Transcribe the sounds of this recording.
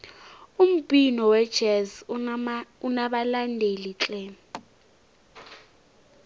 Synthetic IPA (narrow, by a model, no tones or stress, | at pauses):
um̩ɓʼinɔwɛd̥ʒ̥ʱɛz | unaɓalandʱelit͡ɬʼɛ